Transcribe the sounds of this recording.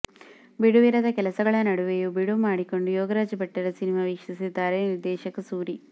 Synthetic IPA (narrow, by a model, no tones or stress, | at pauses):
biɽuʋiɾɐðɐkelɐsɐɣɐɭenɐɽuʋejubiɽumaːɽikːo̞ɳɖujoːɡɐɾaːd͡ʒɐbɐʈːɐɾɐsinimɐʋiːkʂisid̪ːaːɾeniɾd̪eːʃɐkːɐsuːɾi